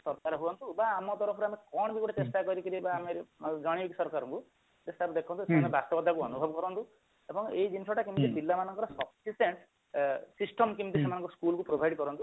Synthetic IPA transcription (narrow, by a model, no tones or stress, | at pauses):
sɔɾkaɾɔɦuɔnt̪ubaːmɔt̪ɔɾɔpʰɔɾeamekɔɽ̃bikuʈʰet͡ʃesʈakɔɾikiɾibaːmeɾd͡ʒɔɽ̃ibiksɔɾkaɾɔŋku | d͡ʒest̪ʰabd̪ekʰɔ̃nt̪usemanebast̪ɔbɔd̪ʱakuɔnubʱɔbɔkɔɾɔnt̪u | ebɔŋeid͡ʒinisɔʈakimt̪id͡ʒilːamanɔŋkɔɾɔsɔbsiseɳʈ | sisʈɔmkimt̪isemanɔ̃ŋkɔskulkupɾobʱajɖkɔɾɔnt̪u